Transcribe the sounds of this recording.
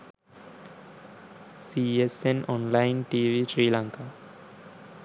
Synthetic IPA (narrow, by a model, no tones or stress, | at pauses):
siesenɔnlajnʈiʋiʃɾiːlaŋka